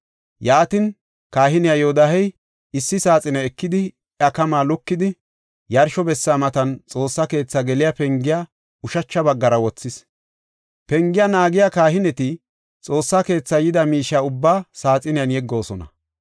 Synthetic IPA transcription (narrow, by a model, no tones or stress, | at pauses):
jaːt̪ɪn | kaːɦɪnɪjajoːd̪aɦɛj | ɪsːɪsaːt͡sʼɪnɛɛkːɪd̪ɪ | ɐkɐmaːlʊkːɪd̪ɪ | jɐɾʃɔbɛsːaːmɐt̪ɐnt͡sʼo̞ːsːɐke̞ːt͡sːaːɡɛlɪjapɛŋɡɪja | ʊʃɐt͡ʃːɐbɐɡːɐɾɐwɔt͡sːɪs | pɛŋɡɪjanaːɡɪjakaːɦɪnɛt̪ɪ | t͡sʼo̞ːsːake̞ːt͡sːajɪd̪ɐmiːʃaːʊbːaːsaːt͡sʼɪnɪjɐnjɛɡːo̞ːsɔnɐ̰